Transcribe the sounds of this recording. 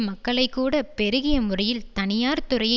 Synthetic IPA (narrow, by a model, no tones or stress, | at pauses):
mɐkːɐɭɐɪkːuːɽɐpɛɾɯɣɪjɐmɯrɐjɪlt̪ɐnɪjaːɾt̪ʊɾɐjɐ